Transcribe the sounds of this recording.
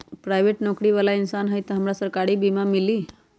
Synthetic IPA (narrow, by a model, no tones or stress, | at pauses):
pɾajʋeʈnɔkɾiʋalainsanɦəjt̪ɦəmɾasəɾkaɽiːbimamiliː